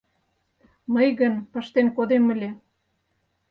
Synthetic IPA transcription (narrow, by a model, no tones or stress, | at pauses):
məjɣənpə̆ʃt̪enkod̪emə̆lʲe